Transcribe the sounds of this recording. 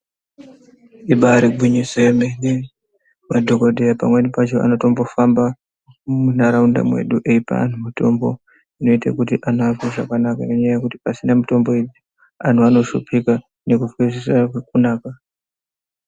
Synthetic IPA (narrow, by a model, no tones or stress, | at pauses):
iɓaɾiɡʱwiɲiswemene | madʱo̞ko̞dʱejapa̰mwe̞nipat͡ʃo̞ʔa̰no̞to̞mbo̞famba | umunaɾaunda̰mwe̞̰ɗuʔeipa̰a̰n̤umito̞̰mbo̞̰ | ino̞itakutiʔanakoʐa̰kanakaino̞ɲaajakuti̥pasinamito̞mbo̞ii | an̤uano̞ʃupʰika | ne̞kufwizisakek̚unaːka